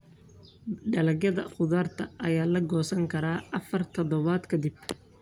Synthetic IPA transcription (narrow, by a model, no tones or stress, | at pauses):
ɖɐlɐɣjɐðɐ̰χʊðaːrt̪ʰɐʔɐjaːlɐɡɔːsɐŋkʰɐɾaːʔɐfɐrt̪ʰɔðɔβaːd̪kʰɐd̪ɪb